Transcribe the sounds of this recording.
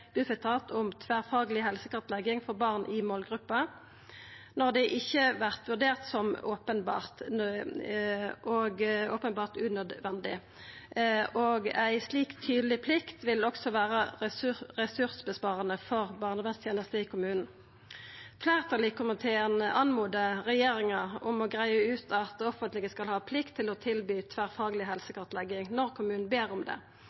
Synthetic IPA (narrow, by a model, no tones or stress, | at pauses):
b̥ʉfɛt̪ʰɑːt̪ʰʊmt̪ʰʋæːʁfɑːɡəlɪɦɛlsəkɑt̪lɛɡɪŋfɔʁbɑːʁnʔɪmoːlɡʁʉpːɑ | nɔʁd̪ɛʔɪçːəʋæʁt̪ʋʉʁd̪eːʁt̪sɔmoːpənbɑ̰ːʁt̪ | oɡoːpənbɑːʁt̪ʉːnœd̪ʋɛnd̪ɪ | ʔoːɡæɪsliːkt̪ʰːyːd̪əlɪpʰlɪkt̪ʋɪlɔksɔʋæːʁə | ʁɛsʉʁsbəspɑːʁənəfɔʁbɑːʁnəʋɛnst̪ʰjeːnəst̪əɪkʰʊmʉːnn̩ | fleːʁt̪ʰɑːlɪkʰʊmənt̪ʰɛnəʔɑnmuːd̪əʁɛjeːɾɪŋɑʊmɔɡʁæɪəʉːt̪ʰɑt̪ɔfənt̪lɪɡəskɑlhɑːpʰlɪkt̪ʰːɪlɔt̪ʰɪlbyːt̪ʰʋæʁfɑːɡlɪɦɛlsəkʰɑʁt̪lɛɡɪŋnɔʁkʰʊmʉːnn̩beːʁʊmd̪ɛ̰